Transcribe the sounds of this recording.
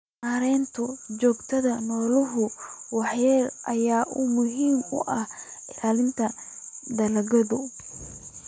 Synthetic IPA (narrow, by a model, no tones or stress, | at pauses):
maːɾɛːnt̪ʰʊt͡ʃɔːɡt̪ʰɐðɐnɔːlʊɦʊwɑħjɛːrʔɐjaːʔʊmʊɦiːmʊ̰ʔɐhɪlaːlɪnt̪ʰɐ | d̪ɐlɐɣɐðʊ